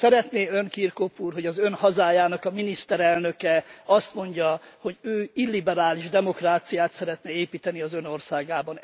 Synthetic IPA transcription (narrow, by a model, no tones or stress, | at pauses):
sɛɾɛt̪neːø̞ŋkirkopuːrɦo̞ɟɒzø̞nhɒzaːjaːnɒkɒminist̪ɛɾɛlnø̞kɛɒst̪mo̞ɲɟɒho̞ɟøːilːibɛɾaːliʒd̪ɛmo̞kraːt̪sijaːt̪sɛɾɛt̪nɛeːpiːt̪ɛniɒzøno̞rsaːɡaːbɒn